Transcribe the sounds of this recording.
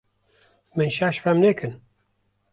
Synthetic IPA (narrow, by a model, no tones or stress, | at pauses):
mɨnʃaʃfɛmneːkʰɨn